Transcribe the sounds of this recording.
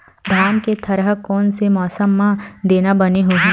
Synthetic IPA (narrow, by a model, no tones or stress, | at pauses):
d̪ʱaːmket̪ʰɐɾɦəkɔːnsemɔːsəmːãd̪eːnabɐneɦʊɦẽ